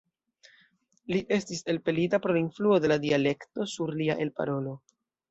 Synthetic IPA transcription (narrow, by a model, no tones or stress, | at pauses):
liʔe̞stise̞lpe̞litapɾolainfluo̞de̞ladiale̞kto̞suɾliaʔe̞lpa̰ɾo̞lo̞